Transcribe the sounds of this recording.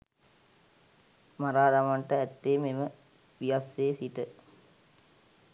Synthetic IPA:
maɾaːd̪ɐmɐɳʈɐɛt̪ːeːmemə | ʋijɐseːsiʈə

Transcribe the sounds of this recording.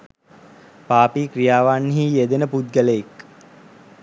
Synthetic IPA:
paːpikrijaːʋanːiɦijed̪enəpud̪̚ɡələek

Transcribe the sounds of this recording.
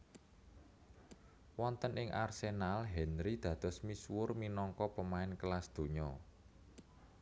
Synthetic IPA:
wɔnt̪ənɪŋʔarsenalɦɛnɾid̪̥ä̤d̪̥ɔ̤smiswʊrminɔŋkɔpəmaɪnkəlasd̪̥o̤ɲɔ

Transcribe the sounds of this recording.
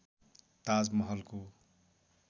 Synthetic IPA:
t̪ad͡zmʌɦʌlko

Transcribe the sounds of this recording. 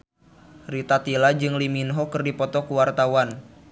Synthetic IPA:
rit̪at̪ilad͡ʒɨŋliminɦɔkɨrdipɔt̪ɔkuwart̪awan

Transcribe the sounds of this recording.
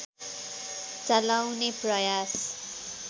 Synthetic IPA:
t͡sʌlawneprʌjas

